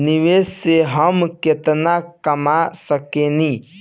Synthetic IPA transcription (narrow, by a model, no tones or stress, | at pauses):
niʋesseɦəmket̪nakəmasəkeni